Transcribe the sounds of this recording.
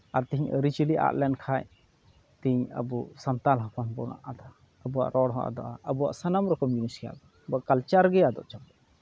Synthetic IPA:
aɾt̪iɲəɾit͡ʃiliʔa̰ʔ̪lɛnkʰaj | t̪iɲə̰bɔsant̪alɦapanbɔɾna̰ʔad̪ɔa | əbuwa̰ʔɾɔɽɦɔ̃ʔa̰d̪ɔʔaʔəbuwa̰ʔsanamɾɔkɔmd͡ʒuniskɛja̰ʔd̪ɔ | bakalt͡ʃaɾɡɛjad̪ɔ̰ʔt͡ʃabɔʔ

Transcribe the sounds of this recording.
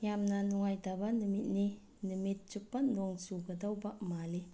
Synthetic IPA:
jamnanɔŋajdabanɯmit̚ni | nɯmit̚t͡ʃuk̚panlɔŋsuɡədawbamali

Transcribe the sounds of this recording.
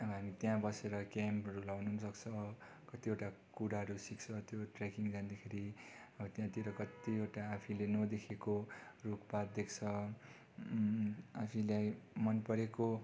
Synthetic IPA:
ʌbʌɦamit̪jãbʌseɾʌkamʌɾulawnusʌkt͡sʰʌ | kʌt̪ioʈakuɾaɦʌɾusikt͡sʰʌt̪joʈrekiŋd͡zand̪ekʰeɾiʌbʌt̪jãt̪iɾʌkʌt̪ieʈaːpʰilenʌd̪ekʰekorukpad̪̚d̪ekʰt͡sʰʌ | apʰĩlajmʌnpʌɾeko

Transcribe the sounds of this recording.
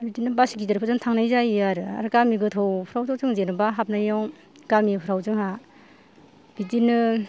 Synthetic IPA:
bitinɯbasiɡidɯɾpʰɯzɯŋtʰaŋnajzajaɾɯa̰ɾɯkamiɡɯtʰɔwpʰɾawtʰɔwzɯŋzenɯbaɦap̚najɔŋ | kamipʰɯɾawzɯŋa | b̥itinɯ

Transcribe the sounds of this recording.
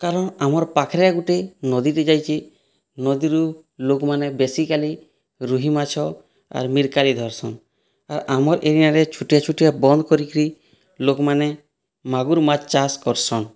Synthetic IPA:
kaɾɔɳamɔɾpakʰɾjaɡuʈenɔd̪it̪ɛd͡ʒajt͡ʃʰi | nɔd̪iɾu | lokmanɛbesikali | ɾuɦimat͡ʃʰɔ | a̰ɾmiɾkalid̪ʱɔɾsɔn | aɾamɔɾʔeɾinaɾɛt͡ʃʰuʈijat͡ʃʰuʈijabɔnd̪kɔɾikɾi | lokmanɛ | maɡuɾmat͡ʃaskɔɾsɔn

